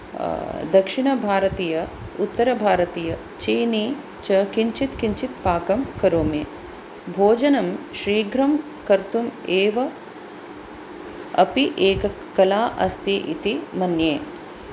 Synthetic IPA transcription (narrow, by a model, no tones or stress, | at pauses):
d̪ɐkʂiɳɐbʱaːɾɐt̪iːjɐut̪ːɐɾɐbʱaːɾɐt̪iːjɐ | t͡ʃeːni | t͡ʃɐkiɲt͡ʃit̪kiɲt͡ʃit̪̚paːkɐmkɐɾoːmeː | bʱoːd͡ʒɐnɐmʃɾiːɡɾɐm | kɐɾt̪umeːʋɐ | ɐ̰piʔeːkɐ | kɐlaːʔɐst̪iʔḭt̪imɐnjeː